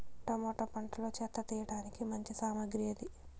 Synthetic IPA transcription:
ʈɐmoːʈɐpɐɳʈlo̞ːt͡ʃɛt̪ːɐt̪iːjɐɽaːnikimɐɲt͡ʃisaːmɐɡɾijɐd̪i

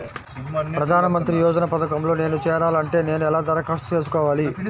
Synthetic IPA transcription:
pɾɐd̪ʱaːnɐmɐnt̪ɾijɔːd͡ʒɐnɐpɐd̪ɐkɐmlo̞ːne̞ːnut͡ʃɛːɾaːlɐɳʈe̞ːne̞ːnuɛlaːt̪ɐɾɐkɐʂt̪ɐ̥t͡ʃe̞ːs̬u̥kɔːʋaːli

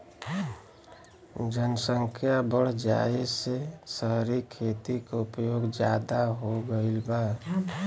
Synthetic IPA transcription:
d͡ʒənəsəŋkʰjabəɽ̤d͡ʒa̰esesəɦɾikʰet̪ikeʊpjoːɡd͡ʒjaːd̪aɦoɡəɪlba

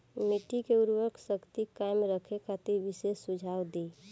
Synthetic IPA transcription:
miʈikeuɾwəɾkʰsəkt̪ikaɪmɾəkʰekʰat̪iɾbisesːud͡ʒʱawd̪e

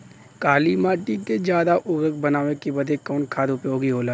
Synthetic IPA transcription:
kaːlimaːʈiked͡ʒjaːd̪aʔʊʋɾəɡ̚bɐnaːʋekibɐd̪ʱekɔːnkʰaːd̪ʊpjoːɡiɦoːla

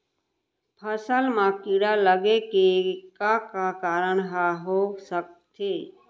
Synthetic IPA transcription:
pʰəsəlmãkiɽaləɡekekakakaːɾəɳɦaɦosək̚t̪ʰeː

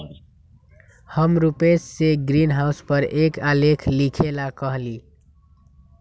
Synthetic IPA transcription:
həmɾupesːeɡɾinɦaʊspəɾekalekʰlikʰelakʌɦli

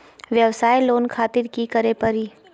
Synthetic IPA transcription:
ʋjəʋsaːjloːnkʰaːt̪ɪɾkikəɾepɐɾiː

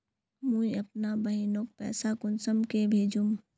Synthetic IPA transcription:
mũɐp̚nabɐɦinoːk̚pɛ̰ːsakʊnsəmkebʱeːd͡ʒum

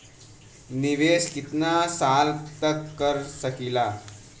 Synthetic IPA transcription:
niʋeskit̪nasalt̪əkːəɾsəkila

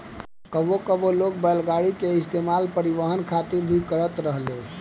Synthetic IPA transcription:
kəbokəbolok̚bəlɡaɽikeɪst̪emalpəɾiʋəɦənkʰat̪iɾbʱikəɾət̪ɾəɦle

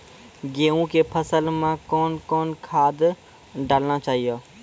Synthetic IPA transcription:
ɡeːũkepʰəsəlmẽkɔːnkɔːnkʰaːd̪ | ɖaːlnat͡ʃaːɦijaː

